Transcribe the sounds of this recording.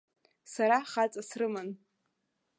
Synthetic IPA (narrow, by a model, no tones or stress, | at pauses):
saɾaχat͡sʼasrɨmɨn